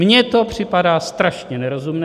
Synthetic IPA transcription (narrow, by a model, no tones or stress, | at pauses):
mɲɛt̪opr̝̥ɪpadaːst̪ɾaʃɲɛnɛɾozumnɛː